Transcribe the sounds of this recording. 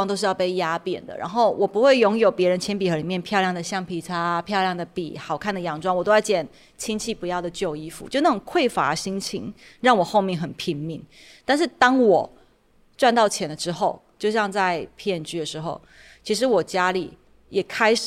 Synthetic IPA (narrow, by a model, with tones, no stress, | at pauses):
ŋt̪o˥ʊʂɻ̩˥˧jɑ˥˧pe˥˩ɪja˥pjɛ̰˨˩nd̪ə̰˦ɻʔa̰˧˥nxo˥˩ʊwɔ˨˩pu˧˥xwe˥˩ɪjʊ˧˥ŋjo˨˩ʊpjɛ˧˥ɻə˧˦nt͡ɕʰjɛ˧˥npi˨˩xɤ˧˥li˨˩mjɛ˥˧npʰjljɑ˥˩ŋd̪ə˩ɕjɑ˥˧˩ŋpʰi˨˩ʈ͡ʂʰa˥pʰjʊljɑ˥˩ŋd̪ə˩pḭ˨˩xɑ˨˩ʊkʰa˥˩nd̪ə˩jɑ˨˩ŋʈ͡ʂwɑ˥ŋwɔ˨˩t̪o˥a˥˩t͡ɕjɛ˨˩n | t͡ɕʰi˥nt͡ɕʰi˥˩pu˧˥jɑ˥˩ʊd̪ə˩t͡ɕjo˥˧ʊi˥fṵ˦t͡ɕjo˥˧ʊna˥˩ʈ͡ʂɔ˨˩ŋkʰwe˥˩ɪfa̰˧˥˨ɕi˥ŋt͡ɕʰḭ˥˦ŋ | ɻɑ˥˩ŋwɔ˨˩xo˥˧ʊmjɛ˥˩ŋxə˨˩npʰi˧˥ŋmḭ˧˩ŋ | t̪a˥˧nʂ̬ɻ̩˥˩t̪ɑ˥ŋwɔ˨˩ | ʈ͡ʂwa˥˧nt̪ɑ˥˩ʊt͡ɕʰjɛ˧˥nd̪ə˨˧ʈ͡ʂɻ̩˥xo˥˧ʊt͡ɕjo˥˧ʊɕjɑ˥˧ŋt͡sa˥˧ɪpʰjɛ˥˨nt͡ɕy˥d̪ə˨˩ʂɻ̩˧˥xo˥˩ʊ | t͡ɕʰi˧˥ʂ̬ɻ̩˧˦wɔ˨˩t͡ɕja˥lḭ˨˩ | jɛ˨˩kʰa˥ɪʂ